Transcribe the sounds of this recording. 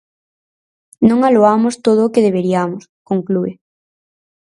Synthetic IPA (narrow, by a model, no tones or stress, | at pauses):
nõŋaloamʊst̪oðʊːkeðeβ̞eɾiamʊskoŋklue